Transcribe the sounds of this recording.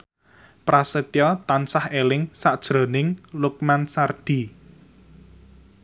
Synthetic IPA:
pɾasət̪jɔt̪ansahelɪŋsaʔd̥ʒ̥ɾo̤nɪŋlʊk̚mansard̥i̤

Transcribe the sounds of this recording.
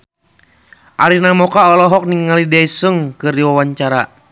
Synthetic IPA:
ʔaɾinamɔkaɔlɔɦɔk̚niŋalidaisəŋkɨrdiwawaɲt͡ʃaɾa

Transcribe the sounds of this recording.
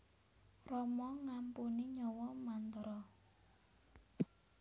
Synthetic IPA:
rɔmɔŋampuniɲɔwɔmant̪əɾɔ

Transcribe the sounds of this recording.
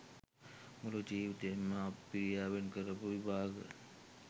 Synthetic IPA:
mulud͡ʒiːʋit̪emːəappiɾijaːʋenkəɾəpuʋibʱaːɡə̰

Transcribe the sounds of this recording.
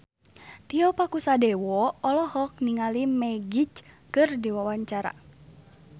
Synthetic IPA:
t̪iɔpakusadɛwɔɔlɔhɔk̚niŋalimɛɡit͡ʃkɨrdiwawaɲt͡ʃaɾa̰

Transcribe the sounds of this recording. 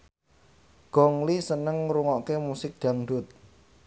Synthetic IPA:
ɡ̥ɔ̤ŋlisənəŋɾuŋɔʔkemusɪk̚d̪̥a̤ŋɖʊt̪̚

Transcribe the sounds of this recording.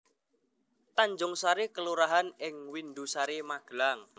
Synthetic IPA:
t̪aɲd͡ʒʊŋsaɾekəluɾaɦanɪŋwindusaɾimaɡ̥laŋ

